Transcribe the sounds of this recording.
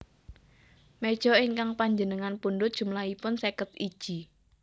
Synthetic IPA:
med̥ʒ̥ɔ̤ɪŋkaŋpaɲd͡ʒənəŋanpundʊt̪̚d̥ʒ̥ṳmlaipʊnsekət̪id̥ʒ̥i̤

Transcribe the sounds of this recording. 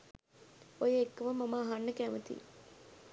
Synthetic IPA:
ojəekːəʋəmɐmaːɦanːəkæmət̪ḭ

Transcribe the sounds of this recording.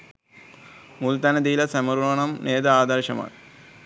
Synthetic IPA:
mult̪ɐnɐd̪ijilɐsɐmɐɾuɐɳɐmneːd̪ɐaːd̪ɐɾɕɐma̰ː

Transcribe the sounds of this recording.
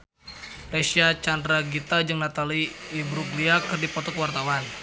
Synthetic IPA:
resiat͡ʃandɾaɡit̪ad͡ʒɨŋnat̪aliːbɾuɡliakɨrdipɔt̪ɔkwart̪awan

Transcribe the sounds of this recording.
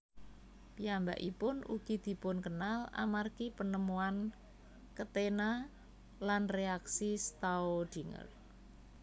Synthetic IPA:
piamba̰ʔipʊnṵɡ̥id̪̥i̤pʊnkənala̰markipənəmuan | kət̪ena | lanreaksisət̪aod̪̥i̤ŋə̰r

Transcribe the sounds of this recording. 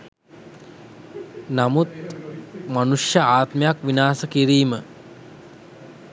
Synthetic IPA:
namut̪̚ | manuʂjəaːt̪məjakʋinaːsəkiɾiːmə

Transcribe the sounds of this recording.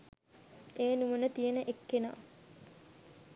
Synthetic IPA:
eːnuʋənət̪ijənəʔekːena̰ː

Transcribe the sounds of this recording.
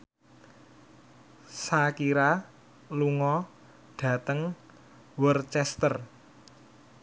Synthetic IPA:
sakiɾa | luŋɔ | ɖ̥ä̤t̪əŋ | wərt͡ʃɛst̪ər

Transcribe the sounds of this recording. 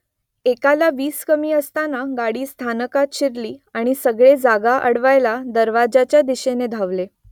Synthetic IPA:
ekalaʋiːskəmiːəst̪anaɡaɽiːst̪ʰanəkat̪ɕiɾliːaɽ̃isəɡɭed͡zaɡaʔəɽʋajlad̪əɾʋad͡ʑat͡ɕjad̪iɕened̪ʱaʋle

